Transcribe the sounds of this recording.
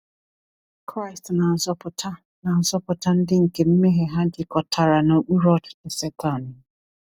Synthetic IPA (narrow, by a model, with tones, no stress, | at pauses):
kʰɾa˦ɪ˨stna˨n̩˨zɔ˦pʊ˨˦tʰa˦ | na˨n̩˨zɔ˦pʊ˨tʰa˦n̩˦dɪ˦ŋ̩˨ke˨m̩˦me˦ɦe˨ɦa˦dɪ˦kɔ˨tʰa˨ɾa˨no˨ʔu˦ɾɔ˦ddɪ˨sɛ˦tʰa˨n˨